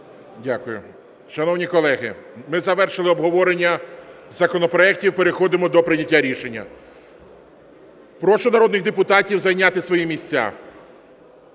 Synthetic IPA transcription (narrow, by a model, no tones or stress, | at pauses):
dʲakʊjʊ̰ | ʃɐnɔwnʲikɔlˠɛɦɪ̰mɪzɐʋɛrʃɪlˠɪɔbɦɔʋɔɾenʲːɐzɐkɔnɔpɾɔɛk̚tʲiwpeɾexɔd̪ɪmɔd̪ɔpɾɪnʲɐtʲːaɾʲiʃe̞nʲːɐ̰ | pɾɔʃɔnɐɾɔd̪nɪɣd̪epʊt̪ɑtʲiwzɐjnʲat̪ɪsʋɔjimʲisʲt͡sʲːa̰